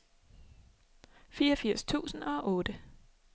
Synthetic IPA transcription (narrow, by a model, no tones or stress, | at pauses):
fiːɐɒfiɐ̰st͡sʰṵːsn̩ɒ̽ʔɔ̽ːdə